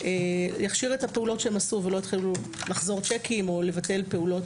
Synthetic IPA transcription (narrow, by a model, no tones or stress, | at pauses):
ejaχʃiʁethapeulo̞tʃeemasuvelo̞jitχilulaχzo̞ʁt͡ʃekʰimo̞le̞vatelpe̞ulo̞t